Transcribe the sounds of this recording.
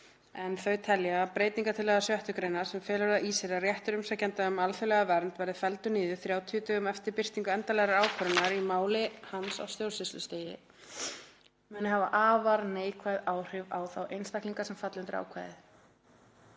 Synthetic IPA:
ɛnθœɥt̪ʰɛljapɾeːjt̪niŋkat̪ʰɪlɛːɣðasjœht̪ʏkɾeːjnaɾ̥sɛmfɛːlɛɾðaʔiseɾarjɛht̪ʏɾʏmsacɛnt̪aʏmalfʏlɛɣavɛɾnt̪vɛɾðɪfɛlt̪ʏniːðʏθɾjaːwt̪ʰiʏt̪ʏʏmɛft̪ɪɾpɪr̥t̪iŋkʏɛnt̪alɛɣɾaɾaːwkʰœɾʏnːaɾimaːwlɪhansa̰wst̪jowsɪst̪ʏst̪eːjɪ | mʏːnɪhava̰ʔaːvaɾneːjkʰvajðaːwr̥ɪva̰ːwθawʔejnst̪akliŋkasɛmfat̪lʏnt̪ɪɾa̰ːwkʰva̰jðɪ

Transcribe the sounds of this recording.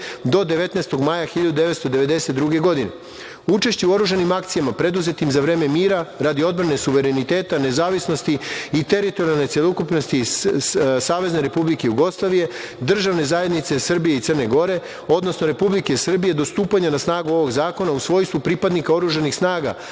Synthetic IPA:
d̪o̞d̪e̞ʋe̞t̪nest̪o̞ɡmajaxiʎad̪ud̪e̞ʋet̪st̪od̪eʋe̞d̪e̞set̪̚d̪ɾuɡe̞ɡo̞d̪ine̞̰ | ut͡ʃe̞ʃt͡ɕeuo̞ɾuːʒanimakt̪sijamapɾe̞d̪uze̞t̪imzaʋɾeːme̞miːɾaɾad̪io̞d̪̚bɾanesuʋe̞ɾe̞nit̪e̞ːt̪ane̞zaːʋisno̞st̪iit̪e̞ɾit̪o̞ɾialˠne̞t̪sjelˠokupnost̪i | saːʋe̞zne̞ɾe̞publikejuɡo̞slˠaʋije̞ | d̪r̩ʒaʋne̞zaje̞d̪nit̪se̞sr̩bijeit̪sərne̞ɡo̞ɾe̞ | o̞d̪no̞sno̞ɾe̞publikesr̩bije̞d̪o̞st̪uːpaɲanasnaːɡuo̞ʋo̞ɡzaːko̞nausʋo̞ːjst̪ʋupɾipad̪nikao̞ɾuːʒanixsnaːɡa̰

